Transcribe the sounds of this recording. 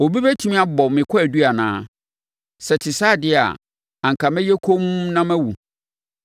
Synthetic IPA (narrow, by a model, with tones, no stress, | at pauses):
o˨bi˦bæ˦tʰĩ˦m̃˦a˦bɔ˨mɪ̃˨kʰɔ˦æ˨du˦a˨nã̰ː˦ | sɛ˨tʰɪ˨saː˦˨dɪ˦a̰˨ | ã˨ŋ˨kʰa˨mɛ̃˦jɛ˦kʰo˦m˦nã˦mæ̃˦wu˨